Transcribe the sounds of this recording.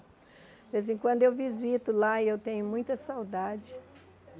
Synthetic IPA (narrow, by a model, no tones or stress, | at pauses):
vezẽj̃kwɐ̃nd̪ʊewvizit̪ʊlaewt̪ẽɲʊmũj̃t̪ɐsawd̪ad͡ʒɪ